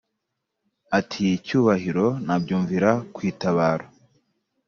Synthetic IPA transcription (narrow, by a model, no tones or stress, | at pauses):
atʰiːcuːβahiɾo̞nabɟuːɱviɾakwiːtaβaːɾo